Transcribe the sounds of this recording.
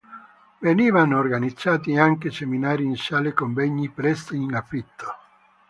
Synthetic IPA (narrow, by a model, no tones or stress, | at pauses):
veniːvanoːrɡanid̪zːaːt̪iaŋkeseminaːɾiːnsaːlekomveɲːipɾɛst̪inafɾit̪ʰːo̥